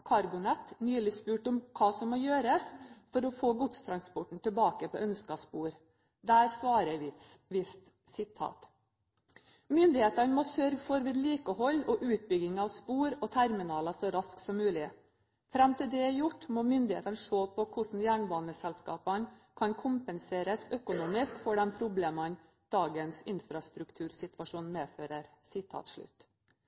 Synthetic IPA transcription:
kʰɑɾbʊnɛt̪ːnyːlɪspʉːʈʊmkʰɑːsɔmːɔːjøːɾəsfɔɾɔfoːɡʊt̪st̪ʰɾɑnspɔʈɳ̩t̪ʰɪlbɑːkəpʰɔ̰ʔœnskɑspuːɾ | d̪æːɾsʋɑːɾəʋɪt̪ʋɪst̪ | sɪt̪ʰɑ̰ːt̪ | mʏnd̪ɪheːt̪ɑnəmɔsœɾɡfɔɾʋɪːd̪liːkəhɔlːɔʔʉːt̪̚bʏɡɪŋɑʋspuːɾɔt̪ʰæɾmɪnɑːləsɔɾɑsksɔmːʉːlɪ | fɾɑmt̪ʰɪld̪ɛjʊʈːmoːmʏnd̪ɪhḛːt̪ənəʂoːpʰɔkʰʊʂn̩jæːɳbɑːnəsɛlskɑ̰ːpənkʰɑnkʰʊmpənseːɾəsœkʊnuːmɪskfɔɖɛnpʰɾʊbleːmɑn | d̪̥ɑːɡənsɪnfɾɑst̪ɾʉkt̪ʰʉːɾsɪt̪ʋɑʂuːnmeːføːɾəɾsɪt̪ʰɑ̰ːt̪ʂɭʉ̰t̪ː

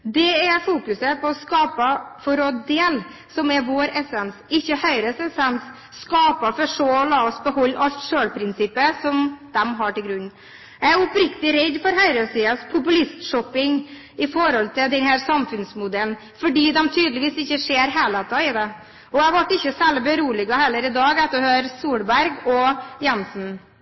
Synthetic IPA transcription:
d̪ɛɛfuːkʉsəpʰɔɔskɑːpəfɔɾɔd̪d̪eːl | sɔmɛʋoːɾɛsɛnsɪçːəhœʏɾəsɛsɛns | skɑːpəfɔʂolɑːɔsbəɦɔlːʔɑlt̪ʂøːlpʰɾɪnsɪpːəsɔmd̪̥ɛmɦɑʈɪlɡɾʉnː | jææɾɔpɾɪkt̪ɪɾɛd̪fɔɾɦœʏɾəsiːəspʰʊpʉlɪst̪ʂɔpːɪŋ | ɪfɔɾɔlt̪ʰɪld̪ɛnhæːɾsɑmfʉnsmʊd̪ɛln | fɔɖiːd̪ɛmt̪ʰyːd̪lɪʋiːsɪçːəʂeːɾɦæːlɛt̪ɑɪd̪ɛ | ɔæʋɑʈːɪçːəsɛlbəɾuːlɪɡɑhɛlːəɾɪd̪ɑːɡɛt̪ːəhøːɾsuːlbæɾɡɔjɛnsn̩

